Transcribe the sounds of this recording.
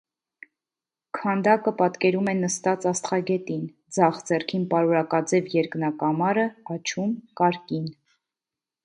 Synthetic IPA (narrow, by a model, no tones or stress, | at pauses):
kʰɑnd̪ɑkəpɑt̪kɛɾumɛnəst̪ɑt͡sɑst̪χɑɡɛt̪in | d͡zɑχd͡zɛrkʰinpɑɾɔɾɑkɑd͡zɛvjɛɾknɑkɑmɑɾəɑt͡ʃʰumkɑɾkin